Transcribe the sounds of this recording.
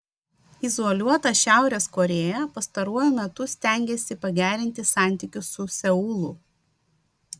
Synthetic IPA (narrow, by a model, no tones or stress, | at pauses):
izɔːlʲuɔt̪ɐʃʲæˑʊɾʲeːskɔɾʲeːjɛpɐst̪ɐɾuɔjʊmʲɛt̪ʊsʲt̪ʲæˑŋʲɡʲeːsʲɪpɐɡʲæːɾʲɪnʲt̪ʲɪsɑˑnʲt̪ʲɪkʲʊsːʊsʲɛʊːlˠʊ